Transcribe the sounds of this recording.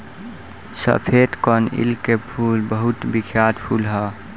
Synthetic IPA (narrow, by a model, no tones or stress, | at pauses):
sə̰pʰeːd̪kɔːnɪ̰lkːepʰuːlbəɦʊt̪bɪkʰjaːd̪pʰuːlɦɛː